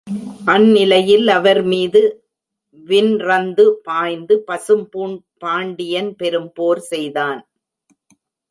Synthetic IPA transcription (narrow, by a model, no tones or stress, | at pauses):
ʔɐnːɪlɐjɪlɐʋɐɾmiːðɯ | ʋɪnɾɐnd̪ɯpaːjnd̪ɯpɐsɯmpuːɳ | paːɳɖɪjɐnpɛɾɯmpoːɾsɛjðaːn